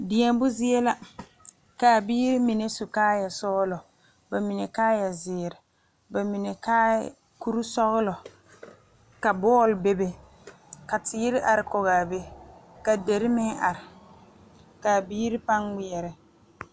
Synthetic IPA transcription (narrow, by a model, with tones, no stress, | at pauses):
dɪ˨ɛ˦bʊ˦zɪ˦ɛ˦la˦ | ka˨biː˦ɾɪ˦mi˨ne˦sʊ˨kaː˦ja˨sɔ˦lɔ˨ | ba˨mi˨ne˨kaː˦ja˨zɪː˨ɾɪ˨ | ba˨mi˨ne˨kaː˦ | ku˦ɾu˦sɔ˦ɣʊ˦lɔ˨ | ka˨bɔː˦˨lbe˦be˦ | ka˨tɪ˨˦ɪ˦ɾɪ˦ʔa˨ɾɪ˨kɔ˨ɣaː˨be˦ka˨de˨ɾɪ˦mɪ˦ŋa˨ɾɪ˨ | ka˨biː˦ɾɪ˦pa˦ŋwɪ˦ɛ˨ɾɪ˨